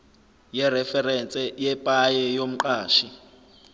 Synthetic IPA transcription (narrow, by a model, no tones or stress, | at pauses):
jɛrɛfɛrɛnt͡sʼɛjɛpʼajɛjom̩ǃaːʃi